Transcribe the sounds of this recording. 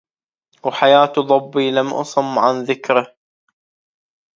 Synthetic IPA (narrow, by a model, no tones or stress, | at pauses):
wħajaːt̪ðˤɑbːiːlamʔɑ̰sˤʊmːʕanðɪkɾɪ